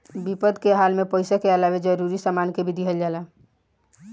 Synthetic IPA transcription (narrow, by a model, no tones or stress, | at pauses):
bipəd̪keɦalmepəɪsakeəlaʋed͡ʒəɾuɾisamankebʱid̪ʱiɦəld͡ʒala